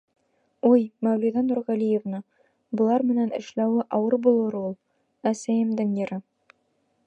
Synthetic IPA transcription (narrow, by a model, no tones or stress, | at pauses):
ujmæwluðɑnuɾʁælʲijevnɤ | bŏlˠɑɾmɘ̆nænɘ̆ʃlæwɘʔɒwɤɾbulˠɤ̆ɾulˠ | æsæjɘ̆md̪ɘŋjɘ̆ɾɤ